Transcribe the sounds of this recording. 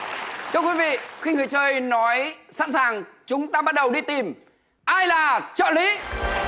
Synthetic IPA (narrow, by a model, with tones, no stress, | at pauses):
t̪ʰɨ˧əkwi˨˦vḭ˧˨xi˧ŋɨ˨˩jt͡ɕəː˧jnɔ˨˦jsa̰˧˥nsaː˨˩ŋt͡ɕʊ˨˦ŋ͡mtaː˧ɓa˦˥t̚ɗə˨˩wɗi˧t̪i˨˩m | ʔaː˧jlaː˨˩t͡ɕə̰ː˧˨lḭ˧˨˦